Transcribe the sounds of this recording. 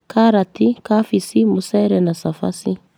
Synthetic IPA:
kʰaɾatikafisimusɛɾɛnasafa̰si

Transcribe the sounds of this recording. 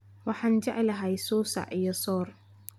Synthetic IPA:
wɑħɑːnd͡ʒɛʕɪlɐɦɛjsɔːsa̰ʕijɔsɔːr

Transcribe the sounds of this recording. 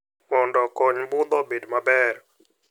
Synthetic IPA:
mɔndɔkoɲbud̪ɔbedmabɛːɾ

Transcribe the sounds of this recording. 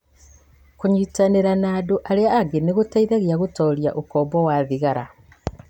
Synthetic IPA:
kuɲitaneɾanaːduʔaliaaɡeniɣutaiðaɣjaɣutoljaʔukoːmbowaðiɣaɾa

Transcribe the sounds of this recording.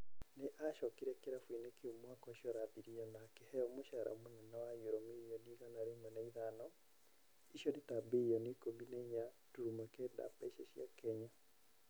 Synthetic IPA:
nɪʔaʃɔkiɾɛkeɾafwinekeomwakɔiʃɔɾabiɾijɔnakehɛjɔmoʃaɾʔa̰monɛnɔwajuɾɔmiijoniɣanaɾemɔnaiðanɔ | iʃɔnɪtabejɔnikominɛɲa | tuɾumɛkeda̰paiʃɛʃja̰kɛɲa

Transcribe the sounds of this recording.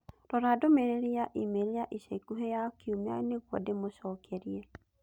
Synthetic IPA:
ɾɔɾadomeɾeɾiaʔimeɾiaʔiseikuɦejakʰiumea̰neɣwɔdemoɕɔːkʰɛɾiɛ

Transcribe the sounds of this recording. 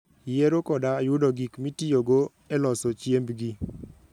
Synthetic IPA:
jeɾokɔdajʊdɔɡikmitioɡo | ɛlɔsot͡ʃjembɡi

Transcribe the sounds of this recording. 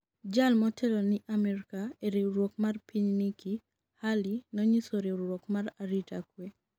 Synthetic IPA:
d͡ʒalmɔtʰɛlonɪʔamɛɾkaeɾeɾwokmarpiɲniki | halinɔɲisoɾeɾwokmaraɾitakwe

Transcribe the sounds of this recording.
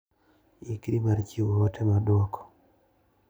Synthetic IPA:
ikɾimaɾt͡ʃiwɔtɛmadwɔkʰɔ̥

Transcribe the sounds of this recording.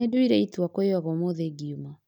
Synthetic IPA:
edoiɾɛituakɔewaɣɔmoðeɡiuma

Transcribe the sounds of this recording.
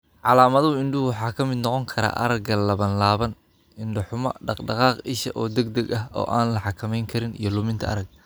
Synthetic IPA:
ʕɑlaːmɐðɐʊɪɳɖʊwʊħɑːkʰɐmɪd̪nɔqɔŋkʰɐɾa̰ːʔɐɾɐɡɐlɐβɐnlaːβɐn | ɪnɖɪħʊmɐ̰ɖɑqɖɑqɑːqɪʃɐ̰ʔɔːd̪ɛɡ̚d̪ɐɡɐɦɔ̰ːʔaːnlɐħɑkʰɐmɛjŋkʰɐɾɪnḭjɞlʊmɪnt̪ʰɐʔɐ̰ɾɐɡ̚

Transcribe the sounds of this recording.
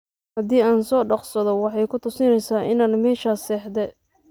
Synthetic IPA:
hɐd̪iːaːnsɔːɖɑqsɐðɔwɑħɑjkʰʊt̪ʰʊsɪnɛjsaːʔɪnaːnmɛːʃaːsɛːħd̪ɛ

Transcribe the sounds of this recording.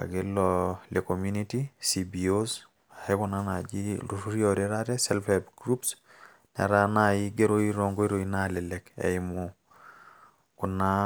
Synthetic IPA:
a̰ɡelːɔlekomjunitisibios | ahekunanad͡ʒiluɾuɾioɾeɾaɾɛsɛlfɛbɡɾups | nɛ̰ɾanajiɡeɾoiɾoŋɡoiɾoinalɛlɛkɛ̰imo | kuna

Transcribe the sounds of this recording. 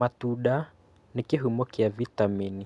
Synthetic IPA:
atuɗa | nikiɦumɔkiavitamini

